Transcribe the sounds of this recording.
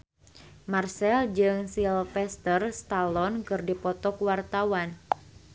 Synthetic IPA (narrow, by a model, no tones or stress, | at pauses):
marsɛld͡ʒɨŋsilfɛst̪ərst̪alɔnkɨrdipɔt̪ɔkwart̪awan